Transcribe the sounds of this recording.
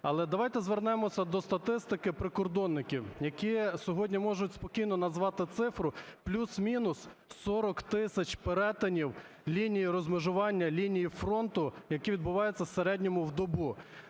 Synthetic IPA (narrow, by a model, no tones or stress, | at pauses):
ɐlˠɛd̪ɐʋɑjt̪ɛzʋernɛmɔsʲɐd̪ɔst̪ɐt̪ɪst̪ɪkɪpɾɪkɔrd̪ɔnːɪkʲiwjɐkʲisʲɔɦɔdʲnʲimɔʒʊtʲspɔkʲijnɔnɐzʋɑt̪ɪt̪sɪfɾʊplʲusmʲinʊs | sɔɾɔkt̪ɪsʲɐt͡ʃpeɾɛt̪ɐnʲiw | lʲinʲijiɾɔzmɪʒʊʋɑnʲːɐlʲinʲijifɾɔnt̪ʊjɐkiʋʲid̪bʊʋɑjet͡sʲːɐwseɾɛdʲnʲɔmʊwd̪ɔbu